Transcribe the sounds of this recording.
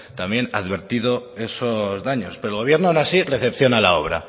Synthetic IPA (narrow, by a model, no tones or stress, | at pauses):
t̪amje̞naðβe̞ɾt̪iðo̞e̞sozðaɲo̞speɾolɣ̞o̞β̞jeɾnoanasireθe̞pθjo̞nalao̞βɾa̰